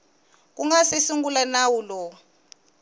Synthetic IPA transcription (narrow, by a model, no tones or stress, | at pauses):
k̬ʼuŋɡasesuŋɡulanawulɔ